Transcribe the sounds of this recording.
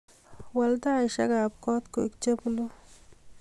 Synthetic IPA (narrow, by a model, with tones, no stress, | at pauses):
wa˧ld̪a˦jʃa˦ɡa˨p̚ko˦t̪ko˨i˦kt͡ʃe˦blu˦